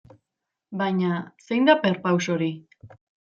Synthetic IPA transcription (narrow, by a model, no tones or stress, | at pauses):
bajɲase̞jnd̪apeɾpawso̞ɾi